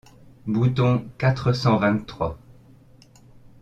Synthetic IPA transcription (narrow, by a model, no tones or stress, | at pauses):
but̪ɔ̃kat̪χəsɑ̃vɛ̃χwa